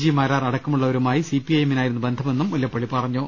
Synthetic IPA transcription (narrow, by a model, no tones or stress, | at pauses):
d͡ʑimɐːɾaːrɐɽɐkkːɐmuɭːɐoɾumaːjisipːiɐjeminaːjiɾunːubend̪ʱɐme̞nːumːulːɐpːɐɭipɐrɐɲːo